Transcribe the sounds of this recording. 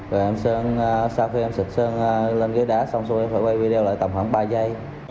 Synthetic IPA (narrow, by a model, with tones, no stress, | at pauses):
vɔ˨˩ʔɛ˧msəː˧n˧saː˧wxi˧ʔɛ˧msɨ˨˩t̚səː˧ŋː˧le˧nɣi˨˦jɗaː˨˦˥sa˧wŋ͡msu˧eː˧faː˧˩˦wa˧jvi˧ɗe˧wla̰ː˧˨jt̪a˨˩mha˧˩ŋɓaː˧za˧j